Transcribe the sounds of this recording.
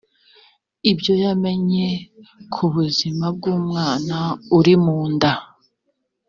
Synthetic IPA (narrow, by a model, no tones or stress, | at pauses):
ibjo̞jame̞ɲe̞kʰuβuzimab̚ɡuːmŋaːnauɾimuːnda